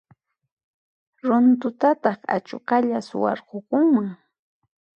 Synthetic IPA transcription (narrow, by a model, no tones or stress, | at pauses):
ɾʊnt̪ʊt̪at̪ɑχa̰t͡ʃoqɑʎaswɑ̰ɾqokʊŋmaŋ